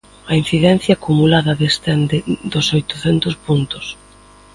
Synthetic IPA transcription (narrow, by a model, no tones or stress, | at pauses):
ɐin̟θiðɛn̟θjaːkumulaðɐðest̪ɛnd̪ɪd̪ʊsojt̪ʊθɛnt̪ʊspunt̪ʊs